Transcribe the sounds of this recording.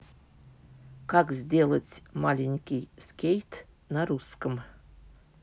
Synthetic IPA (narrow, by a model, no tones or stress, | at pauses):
kakzʲdʲelˠətʲmalʲɪnʲkʲɪjskʲejt̪ | naɾuskəm